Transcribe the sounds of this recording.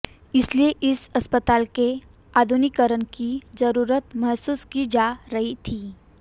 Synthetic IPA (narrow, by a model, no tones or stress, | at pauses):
ɪslieʔɪsɐspət̪aːlke | aːd̪ʱʊnɪkəɾənkizəɾuːɾət̪mɐɦsuːskid͡ʒaːɾɐɦit̪ʰiː